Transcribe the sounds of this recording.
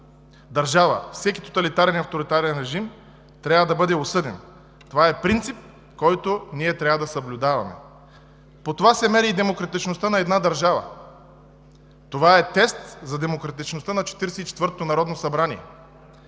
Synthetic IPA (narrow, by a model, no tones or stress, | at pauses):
d̪ɐɾʒavə̰fsɛki̥t̪o̥t̪ɐlit̪aɾɛnɐft̪oɾit̪aɾɛnɾɛʒim | t̪ɾʲavəd̪ɐbɤd̪ɛosɤd̪ɛ̰n | t̪ovaɛpɾint̪sip̚ | kɔjt̪oniɛt̪ɾʲavəd̪ɐsɐblʲʊd̪avɐ̰mɛ̰ | pot̪ovasɛmɛɾiːd̪ɛmokɾɐt̪it͡ʃnost̪ənɐɛd̪nad̪ɐɾʒavə̰ | t̪ovaɛt̪ɛst̪zɐd̪ɛmokɾɐt̪it͡ʃnost̪ənɐt͡ʃɛ̥t̪iɾɛsɛit͡ʃɛ̥t̪vɤɾt̪ot̪onɐɾɔd̪nosɐbɾaniɛ̰